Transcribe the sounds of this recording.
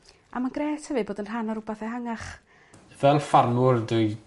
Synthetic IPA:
a̰maɡrɛːtʰəvɨboːdənr̥anaɾʊbaθɛhaŋaχ | əðɛnfarmʊrduj

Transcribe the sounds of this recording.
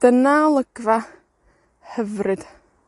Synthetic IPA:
d̥ənalˠəɡ̥va | hɛvrɨd̥

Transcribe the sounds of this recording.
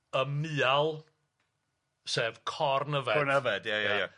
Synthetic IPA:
əmɨːalˠ | seːvkʰɔrnəvɛɔnəvɛdjajaja

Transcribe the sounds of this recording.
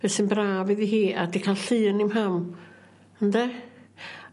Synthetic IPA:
vɛsɨnbraːviðiɦiːadikʰalɬɨːənimɦam | əndɛ

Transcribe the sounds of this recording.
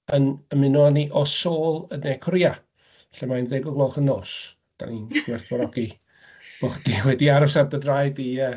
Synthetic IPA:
ənəmɪnuaniʔɔsoːlˠənɛkʰɔɾia | ɬɛmajnðeɡʊɡlˠoːχənoːs | d̥a̰ninɡ̥wɛrθwɔɾɔɡi | b̥oχd̥iwɛdiaɾʊsardədrajdiə

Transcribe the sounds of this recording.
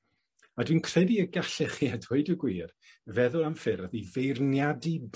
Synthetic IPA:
adwiːnkʰr̥ɛdiəɡaɬɛχiːadweɨdəɡwiːr | vɛðʊlˠamfɪɾaðivejrnjadib

